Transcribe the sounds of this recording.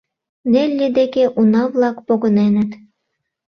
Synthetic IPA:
nelʲːed̪ekeʔunɑβlɑkpoɣənenə̆t̪

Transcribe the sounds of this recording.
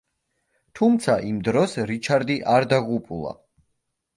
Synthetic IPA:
t̪ʰumt̪sʰaʔimd̪ɾɔsɾit͡ʃʰaɾd̪iʔaɾd̪aʁupʼulˠa̰

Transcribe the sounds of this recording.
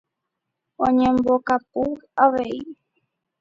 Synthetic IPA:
õɲẽmbokap̚uaʋei

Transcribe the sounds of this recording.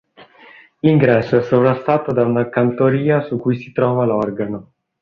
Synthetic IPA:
liŋɡɾɛsːoɛsːovɾast̪aːt̪od̪aunakant̪oɾiːasukːujsi̥t̪ɾɔːvalɔrɡano

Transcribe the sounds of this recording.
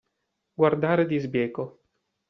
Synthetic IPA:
ɡward̪aːɾed̪izbjɛːko

